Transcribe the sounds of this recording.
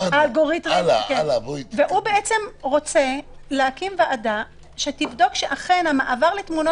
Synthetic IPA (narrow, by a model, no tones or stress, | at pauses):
aalɡoʁit̪ʁikveʔubeʔet͡se̞mʁo̞t͡se̞leakimveʔada | ʃetivd̪o̞kʃeʔaχe̞nhamaʔavaʁletmuno